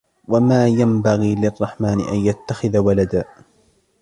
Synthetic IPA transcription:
wamaːjambaɣiːlɪrˤːɑħmaːnɪ̰ʔanjat̪ːaxɪðawalad̪aː

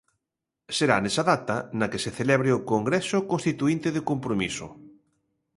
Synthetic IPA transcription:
seɾanesaðat̪anakeseθelɛβ̞ɾeokoŋɡɾɛsokõnst̪it̪uint̪eðekompɾomiso̰

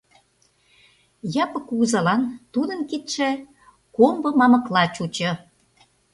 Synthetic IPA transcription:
jɑpə̆kːuɣzɑlɑnt̪ud̪ənkit̪ʃe | kombɤ̆mɑmə̆klɑt͡ɕut͡ɕə̆

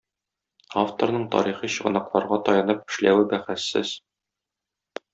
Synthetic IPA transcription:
aft̪o̰ɾnɤɴt̪ɒ̰ɾiχiɕɤ̆ʁɤ̆nɑqlˠɑɾʁɑt̪ɒjɑnɤp̚ɘ̆ʃlæwɘbæχæsːɘz̥

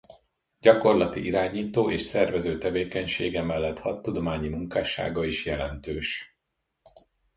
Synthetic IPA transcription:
ɟɒko̞rlɒt̪ḭʔiɾaːɲiːt̪oːʔeːʃsɛrvɛzøːt̪ɛveːkɛɲʃeːɡɛmɛlːɛt̪hɒt̪ːud̪o̞maːɲimuŋkaːʃa̰ːɡɒiʃjɛlɛnt̪øːʃ

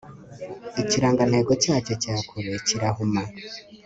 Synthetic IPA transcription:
iciɾaːŋɡan̥he̞ːɡo̞caːco̞caːkʰuɾeciɾahuma

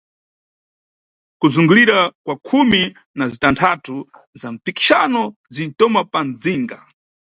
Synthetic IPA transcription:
kuzuŋɡuliɾakwakʰumi | nazitantʰatu | zam̩piki̥ʃanɔ | zin̩tɔmapand͡ziŋɡa

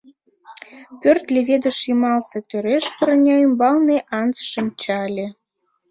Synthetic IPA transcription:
pʲørt̪lʲeβʲed̪ə̆ʃimɑlset̪øɾeʃpə̆ɾnʲɑymbɑlneʔɑnt͡sʃəmʲt͡ɕɑlʲe

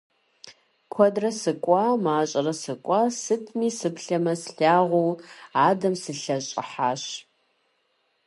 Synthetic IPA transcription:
kʷʰɔdrɐsɨkʷʼɑːmaːɕʼɐrɐsɨkʷʼɑːsɨtʰʼmiːsɨpɬɐmɐsɬaːʁʷuwaːdɐmsɨɬɐɕʼɪ̰ħaːɕ

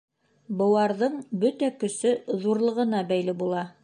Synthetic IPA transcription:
bɤ̆wɑɾðɤɴbɵt̪ækɵ̆sɵðuɾlˠɤ̆ʁɤ̆nɑbæjlɘbulˠɑ

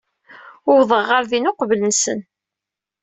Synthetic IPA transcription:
ʊwðˤəʁːaɾðinʊqvlənsə̰n

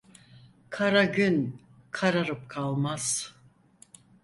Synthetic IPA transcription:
kʰaɾaɟyn | kʰaɾaɾɯp̚kʰalˠmaz̥

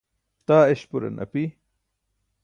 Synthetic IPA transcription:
t̪aːeɕpuɾɐ̰nʔɐ̰pi

